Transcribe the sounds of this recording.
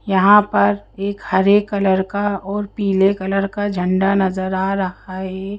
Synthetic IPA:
jɐɦãpɐɾeːkhɐɾeːkːɐləɾkaɔːɾpiːlekɐləɾkad͡ʒʱə̃ɳɖanɐzəɾaːɾɐhaɦɛ

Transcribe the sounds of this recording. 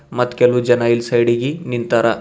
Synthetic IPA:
mɐt̪ːkɛlʋud͡ʒɐnɐilsɐjɽiɡinint̪ɐɾɐ

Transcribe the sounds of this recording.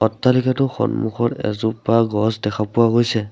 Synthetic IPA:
ɔtːalikatʊxɔ̰nmuxʰɔɹɛ̰zupaɡɔsdɛkʰapʊwaɡojsɛ

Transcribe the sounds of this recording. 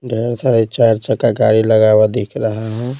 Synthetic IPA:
ɖʱeɾsəɽet͡ʃaɾt͡ʃəkakaɾiləɡawad̪ekʰɾəɦaɦɛ̃

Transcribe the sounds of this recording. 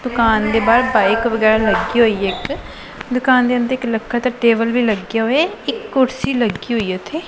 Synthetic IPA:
d̪ʊkaːnd̪eːbaːɾbaːɪkʋəɡɛːɾaːləɡiːɦoːiːeɪk | d̪ʊkaːnd̪eːʊ̃nd̪əɾɪkləkʰːaːt̪aːʈeːbəlʋiːləɡjaːɦoːeɪkːʊɾsiːləɡiːɦoːiːʊt̪ʰeː

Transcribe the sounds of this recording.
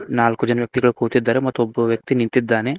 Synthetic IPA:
naːlkud͡ʒɐnɐʋjɐk̚t̪iɡɐɭukuːt̪id̪ːaːɾemɐt̪ːuobːɐʋjɐk̚t̪inint̪id̪ːaːne̞

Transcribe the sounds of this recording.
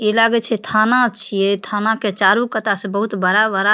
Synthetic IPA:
elaɡɛt͡ʃʰɛt̪ʰanat͡ʃʰijet̪ʰanaket͡ʃaɾukət̪asẽbəɦut̪bəɾabəɾa

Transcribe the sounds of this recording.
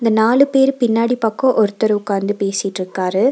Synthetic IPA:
ɪnd̪ɐnaːlɯpeːɾɯpɪnːaːɽipɐkːõʔɔɾɯt̪ːɐɾɐʊkːaːnd̪ɯpeːsɪʈːɾɯkːaːɾɯ

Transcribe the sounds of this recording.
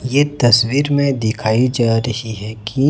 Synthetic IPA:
jet̪ɐswiːɾmẽd̪ɪkʰaːid͡ʒaːɾɐɦiɦɛki

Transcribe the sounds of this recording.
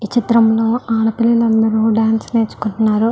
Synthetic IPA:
it͡ʃit̪ɾɐmlo̞ːaːɽɐpilːilɐnd̪ɐɾuːɖaːnsɐneːt͡ʃːu̥kuɳʈunːaːɾu

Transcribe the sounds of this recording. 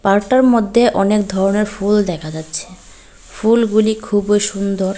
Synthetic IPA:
paɾʈaɾmod̪ʱːeʔɔnekd̪ʱɔɾoneɾfuld̪ɛkʰad͡ʑatːɕʰe̥ | fulɡulikʰubojʃund̪oɾ

